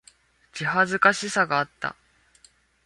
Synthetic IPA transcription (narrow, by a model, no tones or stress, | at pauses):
t͡ɕiɦazɨkaɕisaɡaːt̪ːa̰